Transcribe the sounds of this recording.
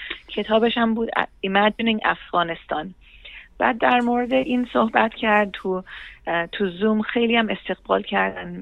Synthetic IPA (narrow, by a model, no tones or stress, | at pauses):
cʰe̞t̪ʰɒːbeʃæmbuːd̪̰imæd͡ʒniŋʔæ̰fɣɒːne̞st̪ʰɒ̰ːn | b̥æːd̪̚ːæɾmoɾed̪eʔiːnsohbæt̪ʰcʰæɾd̪̚t̪ʰu | t̪ʰuzumxe̞jliæme̞st̪e̞ɣ̥bɒ̰ːlcʰæɾd̪æn